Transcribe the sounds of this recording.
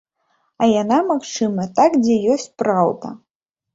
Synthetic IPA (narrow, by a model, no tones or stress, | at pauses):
ɐjanamaxt͡ʂɨmɐt̪akd͡zʲɛjɔsʲt͡sʲpɾawd̪ɐ̰